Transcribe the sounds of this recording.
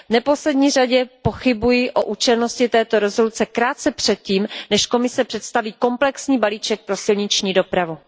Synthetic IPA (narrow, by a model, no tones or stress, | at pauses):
vnɛpo̞slɛdɲiːraɟɛpo̞xɪbujɪʔo̞ʔuːt͡ʃɛlno̞scɪt̪ɛːt̪o̞ɾɛzo̞lut͡sɛkɾaːt̪t͡sɛpr̝̥ɛt̪̚ciːmnɛʃko̞mɪsɛpr̝̥ɛt̪st̪aviːko̞mplɛksɲiːbaliːt͡ʃɛk̚pɾo̞sɪlɲɪt͡ʃɲiːdo̞pɾavu